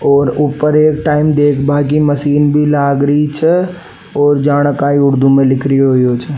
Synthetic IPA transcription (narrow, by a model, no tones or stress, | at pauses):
ɔːɾuːpəɾeːkʈaːɪmd̪eːkʰbaːk̬iməsiːnbʱilaːɡɾit͡ʃʰɛ | ɔːɾd͡ʒaːɽ̃əkaːiʊɽd̪ʱumẽlɪkʰɾiɦoiɦoːt͡ʃʰɛ